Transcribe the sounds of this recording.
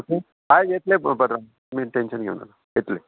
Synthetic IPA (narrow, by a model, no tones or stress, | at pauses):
oke | ajjet̪lebəd̪ɾa | miːʈenɕənɡʱḛʋna̰la | jet̪le